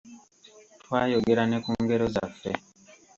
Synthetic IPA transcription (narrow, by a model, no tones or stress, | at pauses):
twaːjo̞ɡeɾanekuːŋɡe̞ɾo̞za̰fḛ